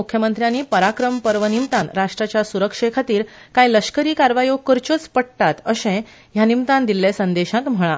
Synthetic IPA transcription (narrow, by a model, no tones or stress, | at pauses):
ukʰjəmənt̪ɾjaniːpəɾakɾəmpəɾʋənimt̪ãnɾaʂʈɾat͡ɕjasuɾəkʂekʰat̪iːɾkajləɕkəɾiːkaɾʋajokəɾt͡ɕət͡spəɽt̪at̪əsẽ | janimt̪ãnd̪ilːesənd̪eɕãkm̤əɭa